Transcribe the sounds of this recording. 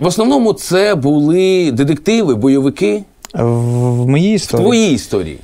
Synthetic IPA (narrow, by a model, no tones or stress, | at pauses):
ʋɔsnɔʋnɔmʊt̪sɛbulˠɪd̪ɪd̪ɪk̚t̪ɪʋɪbɔjɔʋɪkɪ | ʋmɔjiist̪ɔt̪ʋɔjiist̪ɔ̰ɾʲḭḭ